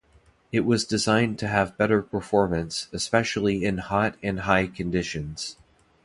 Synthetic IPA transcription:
ɨʔ̚wʌzdɨzãɪ̃ntʰɨːvbɛɾə˞pʰə˞fɔɹmɨ̃nsɨspɛʃl̩ˠiɪ̃nhɑɾɨ̃nɦaɪkʰɨ̃ndɪʃɨ̃nz̥

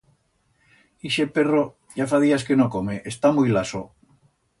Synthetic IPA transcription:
iʃepe̞ro | ʝafaðiaskenokomeʔest̪amujlaso

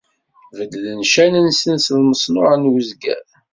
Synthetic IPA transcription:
vəd̪lənʃænænsənslməsˤnʊʁənwəzɡæ̰ð

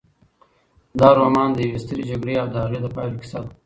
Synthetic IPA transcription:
d̪ɑːɾomɑːnd̪əjawest̪əɾed͡ʒaɡɽeawd̪əaɣed̪əpɑjlokɪ̥sad̪

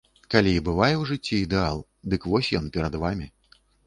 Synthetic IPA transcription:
kalʲiːbɨvajɛwʐɨt͡sʲːiːd̪ɛalˠ | d̪ɨkvɔsʲjɔnpʲɛɾɐd̪vamʲi

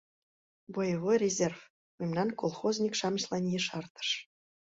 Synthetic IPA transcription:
bojəβojrʲezʲerf | memnɑnkolˠχozʲnʲikʃɑməʃlˠɑnjeʃɑrt̪ə̥ʃ

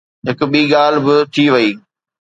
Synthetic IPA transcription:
ɦɪkʊ̆ɓiːɠaːl̤bɪt̪ʰiʋɐiː

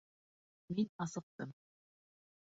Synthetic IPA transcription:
minɑsɤ̆q̚t̪ɤm

